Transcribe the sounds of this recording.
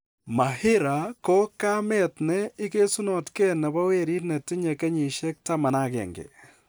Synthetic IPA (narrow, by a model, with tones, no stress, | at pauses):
ma˨hɪ˦ɾa˨ko˦ka˦mɛ˦˨tnɛ˦ɪ˦ke˦su˦nɔ˨tkɛ˦nɛ˨bɔ˦we˦ɾi˦tnɛ˨tɪ˦ɲɛ˨kɛ˦ɲi˨ʃɛ˦k̚ta˦ma˨na˦kɛ̰˨ŋɡɛ̰˨